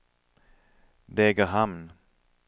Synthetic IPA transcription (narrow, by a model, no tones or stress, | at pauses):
d̪ɛːɡəɦamn